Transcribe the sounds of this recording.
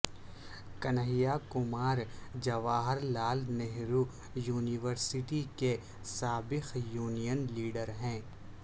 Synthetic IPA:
kɐnɦɪjakʊmaːɾd͡ʒɐʋaːɦəɾlaːlnɛɦɾu | juːnɪʋəɾsɪʈike | saːbɪxjuːnijənliːɖəɾɦɛ̃ː

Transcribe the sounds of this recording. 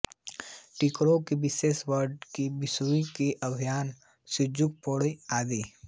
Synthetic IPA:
ʈikɾõkebɪseːʃwəɾɖkibɪsuikeʔɐbʱijaːn | sʊd͡ʒʊk̚poːɽiaːd̪iː

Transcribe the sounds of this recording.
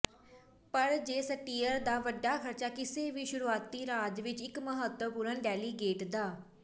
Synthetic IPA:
pəɾd͡ʒeːsəʈiːəɾd̪aːʋəɖːaːkʰəɾt͡ʃaːkɪseːʋiːʃʊɾuːaːt̪ːiːɾaːd͡ʒʋɪt͡ʃɪkməɦət̪wəpuːɾənɖɛːliːɡeːʈd̪aː

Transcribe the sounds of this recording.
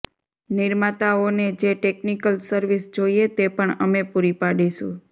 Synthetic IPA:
nɪɾmat̪aoned͡ʒeʈeknikəlsəɾʋisd͡ʒoiet̪epəɳəmepuɾipaɽiʃṵ̃

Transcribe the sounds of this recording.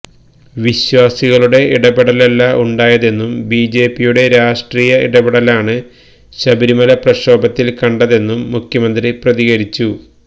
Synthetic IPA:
ʋiɕwaːsiɣɐɭuɽe̞ʔiɽɐbiɽɐlelːɐʔuɳɖaːjɐðe̞nːumbiːd͡ʑe̞ːpːijuɽe̞ɾaːʂʈriːjɐʔḭɽɐbiɽɐlaːɳɨ | ɕɐbiɾimɐlɐprɐɕo̞ːbɐt̪ːilkɐɳɖɐðe̞nːumːukʰjɐmɐnd̪riprɐðiɣɐɾit͡ɕːu

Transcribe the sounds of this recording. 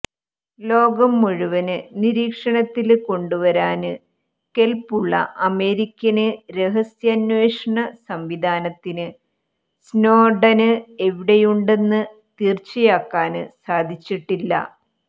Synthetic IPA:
lo̞ːɡɐmːuɻuʋɐnɨniɾiːkʂɐɳɐt̪ːilko̞ɳɖuʋɐɾaːnɨ | ke̞lpːuɭːɐ̰ʔɐme̞ːɾikʲːɐnɨɾe̞ɦɐsjɐnʋeːʂɐɳɐsɐmʋid̪ʱaːnɐt̪ːinɨ | sno̞ːɖɐnɨe̞ʋiɽejuɳɖe̞nːɨ | t̪iːrt͡ɕːijaːkːaːnɨsaːd̪ʱit͡ɕːiʈːilːɐ̰

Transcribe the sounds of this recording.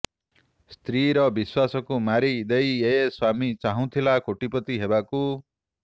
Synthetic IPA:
st̪riɾʌbiswasʌkomaɾid̪ʌjeswamit͡saɦũt̪ʰilakʰoʈipʌt̪iɦebako

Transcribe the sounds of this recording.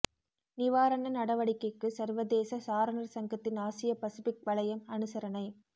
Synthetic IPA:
nɪʋaːɾɐnɐnɐɽɐʋɐɽɪkːɐɪkːɯsɐɾʋɐðeːsɐsaːɾɐnɐɾsɐŋɡɐt̪ːɪnaːsɪjɐpɐsɪfɪk̚ʋɐɭɐjɐmɐnɯsɐɾɐnɐɪ

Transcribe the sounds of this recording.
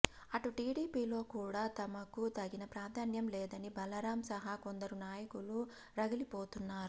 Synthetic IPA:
ɐʈuʈiːɖiːpiːlo̞ːkuːɽaːt̪ɐmɐkut̪ɐɡinɐpɾaːd̪ʱaːnjɐmlɛːd̪ɐnibʱɐlɐɾaːmsɐɦako̞nd̪ɐɾunaːjɐkulu | ɾɐɡɐlipo̞ːt̪unːaːɾu

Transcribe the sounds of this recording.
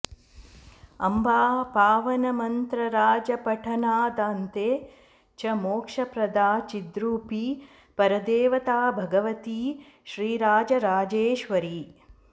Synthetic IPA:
ɐmbʱaːpaːʋɐnɐmɐnt̪ɾɐɾaːd͡ʒɐpɐʈʰɐnaːd̪aːnt̪eː | t͡ʃɐmoːkʂɐpɾɐd̪aːt͡ʃid̪ɾuːpi | pɐɾɐd̪eːʋɐt̪aːbʱɐɡɐʋɐt̪iː | ʃɾiːɾaːd͡ʒɐɾaːd͡ʒeːʃʋɐɾi

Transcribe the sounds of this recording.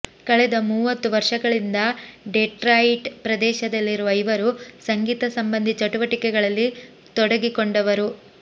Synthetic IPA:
kɐɭɛd̪ɐmuːʋɐt̪ːuʋɐɾʂɐɡɐɭind̪ɐɖeʈɾaiʈpɾɐd̪ɛːʃɐd̪ɐlːiɾuʋɐjʋɐɾusɐŋɡiːt̪ɐsɐmbɐnd̪ʱit͡ʃɐʈuʋɐʈikɛɡɐɭɐlːi | t̪ɔɽɐɡikoɳɖɐʋɐɾu

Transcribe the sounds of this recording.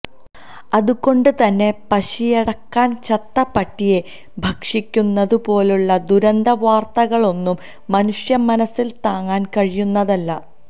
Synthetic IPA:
ɐðuko̞ɳɖɨt̪ɐnːe̞pɐɕijɐɽɐkːaːnt͡ɕɐt̪ːɐpːɐʈːije̞ | bʱɐkʂikʲːunːɐðupo̞ːluɭːɐd̪uɾɐnd̪ʱɐʋaːrt̪ɐɣɐɭo̞nːumː | ɐnuʂjɐmːɐnɐsːilt̪aːŋːaːnkɐɻijunːɐðɐlːɐ

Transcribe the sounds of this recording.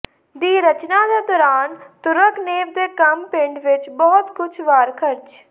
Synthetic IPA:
d̪iːɾət͡ʃnãːd̪eːd̪ɔːɾaːnt̪ʊɾəkneːʋd̪eːkəmpɪɳɖʋɪt͡ʃbɔːt̪kʊt͡ʃʰʋaːɾkʰəɾd͡ʒ

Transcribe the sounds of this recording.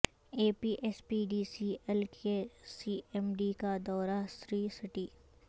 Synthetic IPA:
eːpiːʔɛspiːɖiːsiɛlkesiːɛmɖikad̪ɔːɾasɾiːsɪʈiː

